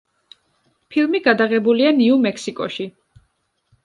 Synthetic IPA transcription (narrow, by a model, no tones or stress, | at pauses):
pʰilˠmiɡad̪aʁɛbulianiumɛkʰsikʼɔ̰ʃi